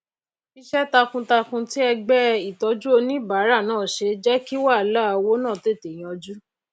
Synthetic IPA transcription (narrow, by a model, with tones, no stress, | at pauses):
i˧ʃɛ˦ta˧kũ˧ta˧kũ˧ti˦ɛ˧ɡ͡bɛ˦i˦˨tɔ˨˧˦d͡ʒu˦o˧nĩ˦ba˨˦ɾa˦˨nãː˦˨ʃe˧d͡ʒɛ˦ki˦wa˦˨la˦˨˧wo˦nã˦˨te˦˨te˨j̃ɔ̃˨˧d͡ʒu˦